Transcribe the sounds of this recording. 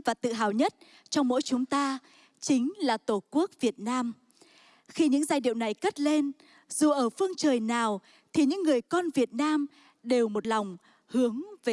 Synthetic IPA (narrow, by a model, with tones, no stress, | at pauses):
vaː˨˩t̪ɨ̰˧˨ɦaː˨˩wɲə˦˥t̚ | t͡ɕɔ˧wŋ͡mmo̰˧˥jt͡ɕʊ˨˦ŋ͡mt̪aː˧ | t͡ɕï˨˦ŋ̟laː˨˩t̪o˧˩ku˦˥ək̚vi˨˩ət̚naː˧m | xi˧ɲɨ̰˧˥ŋzaː˧jɗḭ˧˨əwna˨˩jkə˦˥t̚le˧n | z̥u˨˩ʔəː˧˩fɨ˧əŋt͡ɕəː˨˩jnaː˨˩w | t̪ʰi˨˩ɲɨ̰˧˥ŋːɨ˨˩əjkɔ˧nvi˨˩ət̚naː˧m | ɗe˨˩wmo˨˩t̚lɔ˨˩wŋ͡m | hɨ˨˦əŋve˨˩